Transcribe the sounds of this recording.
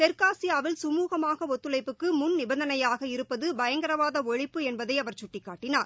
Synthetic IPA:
t̪ɛɾkaːsɪjaːʋɪlsʊmuːɣɐmaːɣɐɔt̪ːɯlɐɪpːɯkːɯmʊnnɪbɐnd̪ɐnɐjaːɣɐɪɾɯpːɐðɯbɐjɐŋɡɐɾɐʋaːðɐɔɻɪpːɯɛnbɐðɐɪɐʋɐɾt͡ʃʊʈːɪkːaːʈːɪnaːɾ

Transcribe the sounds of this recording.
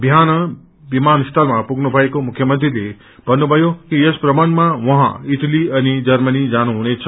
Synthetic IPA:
bʱijanə | bimanst̪ʰəlmãpuɡnəbʱajkomʊkʰjəmə̃nt̪ɾile | b̥ənubʱəjokiespɾəmənmãʋəɦã̰iʈ̪liɐnid͡ʒəɾmənid͡ʒañunet͡ʃʰ

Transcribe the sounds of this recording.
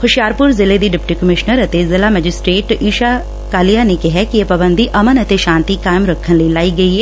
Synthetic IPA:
xʰʊʃɪjaːɾpʊɾzɪled̪iɖɪpʈiːkəmɪʃnəɾət̪ezɪlaːmɛːd͡ʒɪsʈɾeːʈiːʃaː | kaːlɪjaːnekɪɦɛkiepabənd̪iʔɐmənət̪eʃãːnt̪ikaːɪmɾəkʰːənləilaːiɡɐiɦɛ

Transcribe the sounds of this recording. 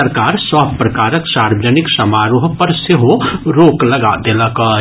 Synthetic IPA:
əɾkaːɾsaːbpɾɐkaːɾəksaːɾwəd͡ʒənɪksɐmaːɾoːɦpɐɾseɦoɾoːklɐɡad̪elaka

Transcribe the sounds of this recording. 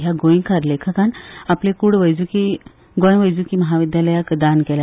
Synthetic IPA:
ɦjaɡoĩŋkʰaɾlekʰakanaplẽkuɽʋəjd͡zuki | ɡoj̃ʋəjd͡zukiməɦaʋid̪jaləjakd̪ankɛla

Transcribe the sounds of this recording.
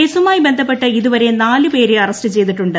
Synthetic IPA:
eːsumaːjbe̞nd̪ʱɐpːe̞ʈːɨiðuʋɐɾe̞naːlɨpe̞ːɾeɐrɐstɨt͡ɕe̞jt̪̬iʈːuɳɖɨ

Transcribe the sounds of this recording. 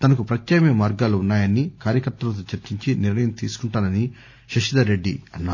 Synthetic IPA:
t̪ɐnɐkupɾɐt̪jɐːmjɐmaːɾɡaːluunːaːjɐnːikaːɾjɐkɐɾt̪ːɐlɐt̪̬oːt͡ʃɐɾt͡ʃiɲt͡ʃiniɾnɐjɐmt̪ḭːsu̥kuɳʈaːnɐni | ʃɐʃid̪ɐɾe̞ɖːiɐnːa̰ː

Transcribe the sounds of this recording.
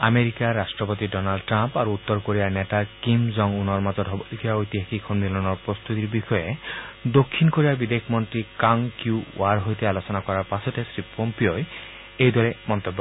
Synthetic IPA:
ameɾikaɾasʈɾɔpot̪iɖɔnalɖʈɾampaɾuut̪ːɔɾkoɾianet̪akimzɔŋunɔɾmad͡ʒɔdɔbkʰiaojt̪iɦakikʰɔnmilɔnɔɾpɾɔst̪ut̪iɾbixɔjed̪okʰːinkoɾibabid̪ekʰmɔnt̪ɾikaŋkjuwaɾɦojt̪ealosɔnakɔɾaɾpasɔt̪esɾipɔmpioe | ejd̪ʱɔɾemɔnt̪obːɔ

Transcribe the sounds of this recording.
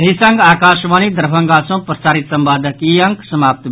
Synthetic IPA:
esɐŋɡaːkaːʃʋaːnid̪ɐɾbʱɐŋɡaːsõpɾəsaːɾit̪sɐmbaːd̪ɐkiɐŋksɐmaːp̚t̪

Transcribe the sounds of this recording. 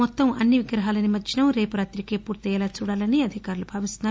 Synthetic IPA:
ɔt̪ːɐmɐ̰nːiʋiɡɾɐɦaːlɐnimɐt͡ʃʰinɐmɾe̞ːpuɾaːt̪ɾikeːpuːɾt̪ɛɛlaːt͡ʃuːɽaːlɐniɐd̪ʱikaːɾulubʱaːʋist̪unːaː

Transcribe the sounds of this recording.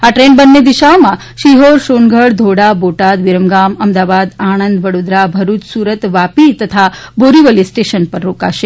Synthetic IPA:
aʈɾenbənːed̪iʃaomã | ʃiɦoɾʃonɡʱəɽd̪ʱoɽaboʈad̪ʋiɾəmɡaməmd̪aʋad̪aɳ̃ənd̪ʋəɽod̪ɾabʱəɾut̪suɾət̪ʋapit̪ət̪ʰaboɾiʋəlisʈeʃənpəɾɾoka̰ʃe

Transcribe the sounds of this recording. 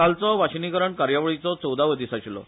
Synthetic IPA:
alt͡sɔʋaɕinikəɾəɳkaɾjaʋəɭit͡sɔt͡sɔwd̪aʋəd̪isaɕlɔ̰

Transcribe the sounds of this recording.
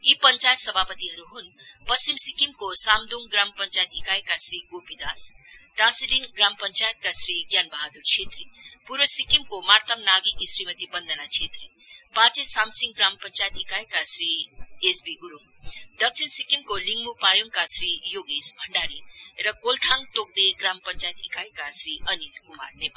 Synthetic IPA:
ipʌnt͡ʃajt̪sʌbʱapət̪iɦʌɾuɦun | pʌst͡ʃimsikimkosamd̪oŋɡɾampʌnt͡ʃajet̪ikajekasriɡopid̪asʈasilinɡrampʌnt͡sajət̪̚kasriɡjanbaɦad̪uɾt͡sʰet̪ripuɾbʌsikimkomart̪ʰʌmnaɡikisrimʌt̪ibʌnd̪ʱənat͡sʰet̪ri | pat͡sesamsiŋɡɡrampʌnt͡ʃajt̪ikajkasɾiesbiɡuɾuŋ | d̪ʌk̚t͡sʰinsikimkoliŋɡmupajuŋkasɾijoɡisbʱʌɳɖaɾirʌkolt̪ʰaŋt̪ok̚d̪eɡɾampʌnt͡ʃajet̪ḭkajkasɾiʔʌnilkuma̰rnepa

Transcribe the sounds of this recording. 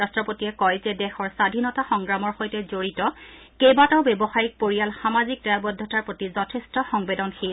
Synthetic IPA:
astɹɔpotiɛkɔjzɛdɛxɔɹsadʱinɔtaxɔŋɡɹamɔɹxojtɛzoɹitɔ | kejbataʊbɛbɔxajik̚poɹijalxamazik̚daabɔd̪ʱːɔtaɹpɹotizɔtʰɛstɔxɔŋbedɔnxe

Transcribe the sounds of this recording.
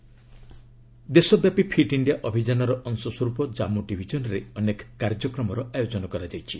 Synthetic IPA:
d̪esɔbjapipʰiʈiɳɖijaʔɔbʱid͡ʒanɔɾɔʔɔŋsɔswɔɾupɔd͡ʒamuɖibʱid͡ʒɔnɔɾeɔnekɔ̥kaɾd͡ʒɔkɾɔmɔɾɔʔajod͡ʒɔnɔkɔɾad͡ʒajt͡ʃʰi

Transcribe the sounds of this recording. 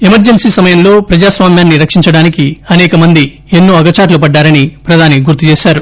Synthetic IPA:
e̞mɐɾd͡ʒensiːsɐmɐjɐmlo̞ːpɾɐd͡ʒaːsʋaːmjaːnːiɾɐkʂiɲt͡ʃɐɽaːnikiɐnɛːkɐmɐnd̪i | enːuːɐɡɐt͡ʃaːʈlupɐɖːaːɾɐnipɾɐd̪ʱaːniɡuɾt̪ːut͡ʃeːʃaːɾu

